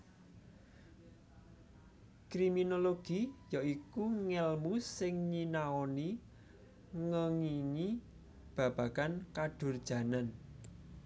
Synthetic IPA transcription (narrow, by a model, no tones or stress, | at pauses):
kɾiminoloɡ̥ijaikuŋɛlmusɪŋɲinaɔni | ŋəŋiŋi | b̥ä̤b̥ä̤kankaɖ̥ʊ̤rd̥ʒ̥ä̤nan